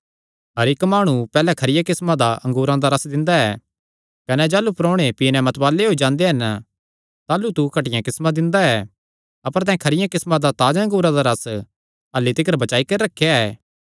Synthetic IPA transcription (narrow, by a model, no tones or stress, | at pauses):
ɦɐɾɪkmaːɽ̃ũpɛːlɛkʰɐɾɪjãkɪsmãd̪aʔɐ̃ŋɡuːɾãd̪aɾɐsd̪ɪ̃nd̪aɛː | kɐnɛd͡ʒaːlupɾɔːɽ̃epiːnɛ̃mɐt̪baːlːeɦoːid͡ʒãːnd̪eɦɐn | t̪aːlut̪ukɐʈɪjãkɪsmãd̪ɪ̃nd̪aɛː | ɐpəɾt̪ɛ̃ːkʰɐɾɪjãkɪsmãd̪at̪aːd͡ʒɐ̃ŋɡuːɾãd̪aɾɐs | ɐlːit̪ɪk̬əɾbɐt͡ʃaːikɐɾiɾɐkʰːejaɛː